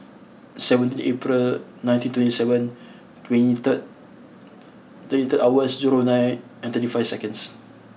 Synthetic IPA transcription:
sɛvə̃nt̪nepɹilnãj̃ntĩntwɛ̃ntisɛvə̃n | twɛ̃nitət̚ | t̪ətit̪ətawəsd͡ʒuɹonajt̚ | ɛ̃nt̪ətifajvsɛkə̃ns

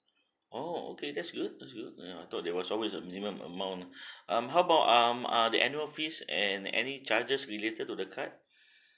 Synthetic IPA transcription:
ʔoo̰kedɛtsɡud̚dɛtsɡud̚aa̰jt̪ɔt̚dɛwɔsɔlwesəmĩnimə̃mə̰mãw̃nʔʌ̃mɦawəbaʊtʌmadiʔɛnjuəlfisɛ̰̃nɛ̰nit͡ʃad͡ʒəsɹiletətːudəkʰat̚

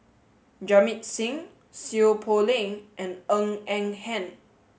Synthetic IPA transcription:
d͡ʒamit̚sĩŋ | siopʰolĩŋʔɛ̃nə̃ŋɛ̃ŋhɛ̃n

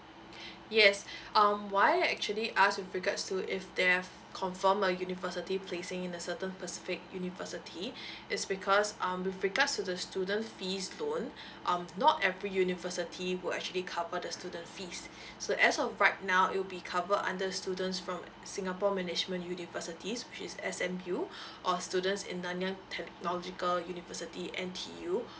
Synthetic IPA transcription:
jɛsʔãmwaɪɛk̚t͡ʃuəliʔaswɪvɹiɡatstuʔɪfdɛ | kʰɔ̃ɱfəməjunivəsitipʰlesɪ̃ŋɪ̃nəsətə̃npəsɪ̥fɪk̚junivəsitʰiʔɪtsbikʰɔsʌ̃mwɪvɹiɡatstudəstjudə̃ntfislõn | ʔãmnɔtɛvɹijunivəsitʰiwɪlɛ̰k̚t͡ʃuəlikʰavədəstudə̃ntfisː | oʔɛsɔfɹaɪt̚naʊɪ̰t̚wbikʰavədã̰ndəstudə̃ntsfɹɔ̃m | sɪ̃ŋapɔmɛnɪd͡ʒmə̃njunivəsitʰiswɪt͡ʃɪsɛsɛ̃mjuʔɔstjudə̃ntsɪ̰̃nːãnjãŋtʰɛk̚nɔlɔd͡ʒikəljunivəsitiʔɛ̃ntʰḭju

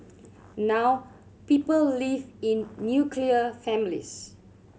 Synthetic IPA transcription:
naw | pipəllivĩnːjukʰliəfɛ̃mlḭs

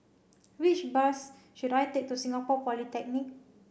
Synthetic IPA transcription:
wit͡ʃbas | ʃudajtek̚tusĩŋapɔkwɔlitɛk̚nik̚

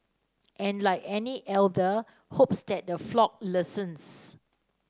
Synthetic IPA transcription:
ʔɛ̃nlaɪkɛniʔɛldə | hopsdɛt̚dəflɔk̚lɪsə̃ns

